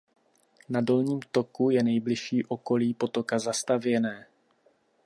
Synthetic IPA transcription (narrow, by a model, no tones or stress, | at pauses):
nado̞lɲiːmt̪o̞kujɛnɛjblɪʃiːʔo̞ko̞liːpo̞t̪o̞kazast̪avjɛnɛː